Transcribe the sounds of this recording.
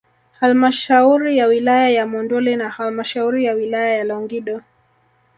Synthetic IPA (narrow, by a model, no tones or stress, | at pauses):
halmaʃauɾijawilajajamɔndɔlɛnahalmaʃauɾijawilajajalɔŋɡiɗɔ